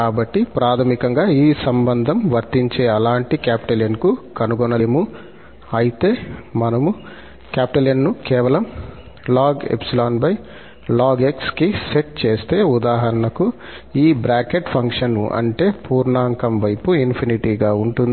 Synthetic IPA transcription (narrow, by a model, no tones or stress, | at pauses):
kaːbɐʈːipɾaːt̪ʰɐmikɐŋɡaːiːsɐmbɐnd̪ʱɐmʋɐɾt̪iɲt͡ʃe̞ːɐlaːɳʈikaːpi̥ʈɐlenkukɐnuɡɔnɐjmu | ɐjit̪e̞ːmɐnɐmu | kaːpiʈɐlenːukɛːʋɐlɐm | laːɡḛpsilaːnpɐj | laːɡekskise̞ʈ̚t͡ʃe̞ːst̪e̞ːud̪aːɦɐɾɐnɐku | iːbɾaːkeʈpʰɐŋkʂɐnuʔɐ̰ɳʈe̞ːpuːɾɳaːŋkɐmʋɐjpuinpʰiniʈiːɡaːuɳʈund̪ii